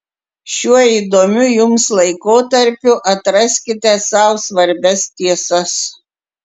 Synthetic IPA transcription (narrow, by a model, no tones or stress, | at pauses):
ʃʲuɔiːd̪oːmʲʊjʊmslˠɐɪkoːt̪ɐɾʲpʲʊʔɐt̪ɾɐsʲkʲɪt̪ʲɛsɐʊsʋɐɾʲbʲɛst̪ʲiɛsɐs